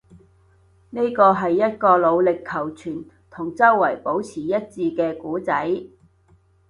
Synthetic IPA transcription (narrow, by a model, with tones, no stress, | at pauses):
ne˥kɔː˧ɦɐ˨jːɐ˥t̚kɔː˧lo˨˧wlɪ˨kʰːɐ˨˩wt͡ʃʰyː˨˩n | t̪ʰʊ˨˩ŋt͡sɐ˥wːɐ˨˩jpo˨˥wt͡sʰiː˨˩jɐ˥t̚t͡siː˧kɛː˧kuː˨˥t͡sɐ˨˥j